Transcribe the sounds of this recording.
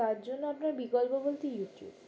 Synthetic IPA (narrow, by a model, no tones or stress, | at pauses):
aɾd͡ʑonːoapnaɾbiɡɔlpobolt̪ijuʈiṵb